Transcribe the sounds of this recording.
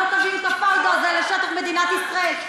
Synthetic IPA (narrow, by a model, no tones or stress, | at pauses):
kavimsafaʁd̪ozɛleʃet̪aχmed̪inat̪isʁael